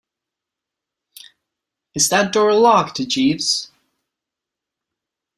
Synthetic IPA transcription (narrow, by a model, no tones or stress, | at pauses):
ɨzðɨt̚d̥ɔɹəlɑk̚tʰɨd͡ʒivz̥